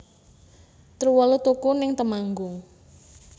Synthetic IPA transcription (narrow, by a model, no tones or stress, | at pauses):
t̪ɾuwɔlut̪ukunɪŋt̪əmaŋɡʊŋ